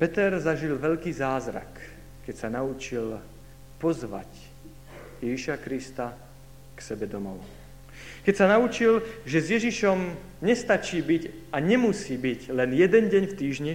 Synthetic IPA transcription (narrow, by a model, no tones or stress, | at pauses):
pɛt̪ɛɾzaʒilʋɛʎkiːzaːzɾa̰kː | ɛcsanaut͡ʃil | pɔzʋa̰c | jɛʒiʃakɾist̪a | ksɛbɛd̪ɔmɔ | kɛcsanaut͡ʃilʒɛzjɛʒiʃɔm | ɲɛst̪at͡ʃiːbiɟaɲɛmusiːbiɟlɛnjɛd̪ɛnɟɛɲft̪iːʒɲi